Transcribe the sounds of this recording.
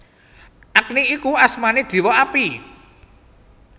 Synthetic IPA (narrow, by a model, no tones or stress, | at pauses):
ʔak̚niikuasmaned̪̥i̤wɔapi